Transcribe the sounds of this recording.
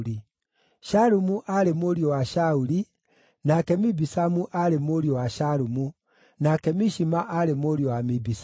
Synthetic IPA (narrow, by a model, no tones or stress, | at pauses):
ɾi | ʃaɾumuʔaɾemoɾiɔwaʃauɾi | nakɛmibisamuʔaɾemoɾjɔwaʃaɾumu | nakɛmiʃimaʔaɾemoɾiɔwamibis